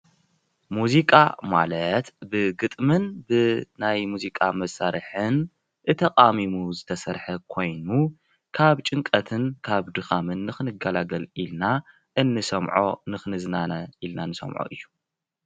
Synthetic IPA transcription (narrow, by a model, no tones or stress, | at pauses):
muzikʼa̰ma̰lɐt̪bɨɡɨt̪ʼmɨnbɨnajmuzikʼamɐsaɾɨħɨn | ʔɨt̪ʰɐqʼamimuzɨt̪ʰɐsɐɾħɐkʰo̞jnu | kʰaβt͡ʃʼɨŋkʼɐt̪ʰɨnkʰaβd̪ɨxamɨnːɨxɨnɨɡɐlaɡɐlilna | ʔɨnːɨsɐmʕo̰nɨxɨnɨznanɐʔilnanɨsɐ̰mʕo̰ʔɨjːu̥